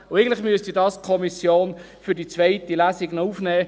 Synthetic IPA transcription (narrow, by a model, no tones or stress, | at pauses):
ʊeɪɡn̩tlɪχmyəstidɑːskʰɔmisjoːn | fydit͡sʋaɪtilæːsiɡnɔufnɛː